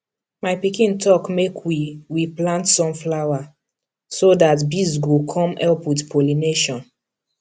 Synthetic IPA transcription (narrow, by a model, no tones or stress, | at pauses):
majpikĩntʰɔkmekʰwiwiplãntsɔ̃mflawa | sodatbisɡukʰɔ̃mɛlpwidpʰolineʃɔ̃n